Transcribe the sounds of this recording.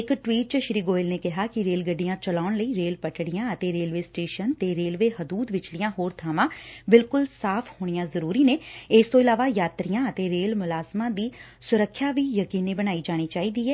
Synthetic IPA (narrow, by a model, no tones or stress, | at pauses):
ɪkʈwiːʈ̚t͡ʃʃɾiːɡoːɪlneːkɪɦaːkɪɾeːlɡəɖijãːt͡ʃəlaːʊɳləiːɾeːlpəʈɽɪjãːət̪eːɾeːlʋeːsʈeːʃənt̪eːɾeːlʋeːɦəd̪uːd̪ʋɪt͡ʃlɪjãːɦoːɾt̪ʰaːmãːbɪlkʊlsaːpʰhoːɽ̃ɪjãːzəɾuːɾiːneːɪst̪õːɪlaːʋaːjaːt̪ɾijãːət̪eːɾeːlmʊlaːsmãːd̪iː | sʊɾəkʰːjaːʋiːjəkiːniːbəñaːiːd͡ʒaːɽ̃iːt͡ʃaːiːd̪iːɦɛː